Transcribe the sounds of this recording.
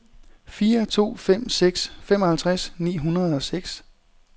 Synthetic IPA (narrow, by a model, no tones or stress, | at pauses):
fiːɐt͡sʰo̝̰ːfem̰seɡ̥sfemɒ̽hælt͡sʰʁasnḭːɦunɐð̞̩ˠɒ̽seɡ̥s